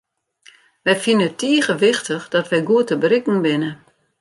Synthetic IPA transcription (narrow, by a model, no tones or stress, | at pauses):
ʋɛjfinəətːiəɣəʋɪxtəxd̥ɔtʋɛjɡuətəbrɪkŋ̩bɪnə